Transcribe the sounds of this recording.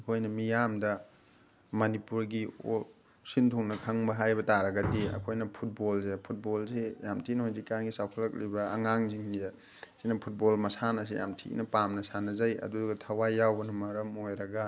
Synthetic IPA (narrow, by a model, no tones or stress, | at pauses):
ɐkʰojnɐmijamdɐ | mɐnipuɾɡio̰ | sintʰuŋnɐkʰɐŋbɐɦajbɐtaɾɐɡɐdiɐ̰kʰojnɐpʰut̚bolsepʰut̚bolsejamtʰinonzikanɡisawkʰɐlɐk̚libɐ̰ːŋaŋziŋi | sinɐpʰut̚bolmɐsanɐs̬ḛja̰mtʰḭnɐpamnɐsanɐzɐjɐ̰duɡɐtʰɐwajawbɐnɐmɐɾɐmojɾɐɡɐ